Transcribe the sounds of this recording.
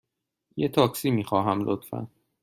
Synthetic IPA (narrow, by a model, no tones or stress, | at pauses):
jet̪ʰɒːksiːmiːxɒːɦæmlʔot̪fæ̰n